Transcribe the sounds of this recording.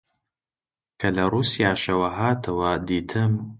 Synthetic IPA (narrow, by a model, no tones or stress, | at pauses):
kʰɐlɐruːsijaːʃɐwɐɦaːt̪ʰɐwɐd̪iːt̪ʰɨm